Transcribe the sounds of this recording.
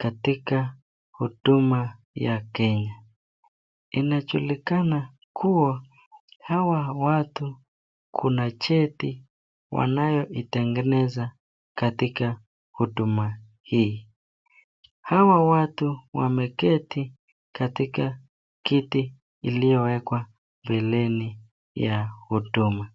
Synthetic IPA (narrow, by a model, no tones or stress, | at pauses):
katika | huɗuma | jakɛɲa | inaʄulikana | kʰua | hawawatu | kʰunat͡ʃɛti | wa̰najɔʔitɛŋɡɛnɛza | katika | huɗuma | hiː | hawawatuwa̰mɛkɛti | katika | kiti | ilijɔwɛkwa | mbɛlɛni | jahuduma